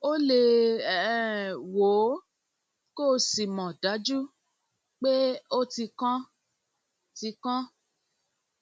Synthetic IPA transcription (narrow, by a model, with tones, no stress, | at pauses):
o˦le˧˨˦ | wo˨˦ | ko˦˨si˨mɔ̃˨da˨˦d͡ʒu˦ | k͡pe˦o˦ti˧kã˦ | ti˧kã˦